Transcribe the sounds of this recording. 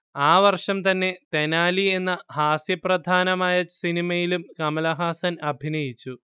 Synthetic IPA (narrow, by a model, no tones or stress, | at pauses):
aːʋɐrʂɐmt̪ɐnːe̞t̪enaːlie̞nːɐhaːsjɐprɐd̪ʱaːnɐmaːjɐsinimɐjilumkɐmɐlɐɦaːsɐnɐbʱinɐjit͡ɕːu